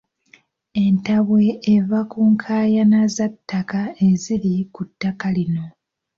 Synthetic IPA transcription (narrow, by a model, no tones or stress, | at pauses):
e̞ntaβwe̞ːvakuːŋkʰaːjanazatːakae̞zilikutːakalino̞